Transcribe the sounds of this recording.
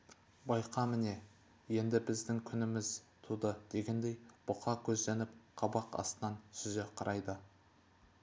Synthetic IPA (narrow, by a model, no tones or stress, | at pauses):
bɑjqʰɑmɪne̞ | je̞nd̪ɪbɪzd̪ɪŋkʲʰʏnɪmɪz | t̪ʰud̪əd̪̥e̞ɡʲe̞nd̪e̞jb̥ʊqʰɑkʲʰɵzd̪enɪp̚qʰɑbɑqɑ̰st̪ənɑnsʏzeqʰɑɾʔɑjd̪ə